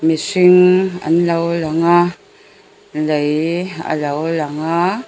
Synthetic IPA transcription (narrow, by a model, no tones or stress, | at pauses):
misiŋa̰nlawlaŋa | ləja̰lawlaŋa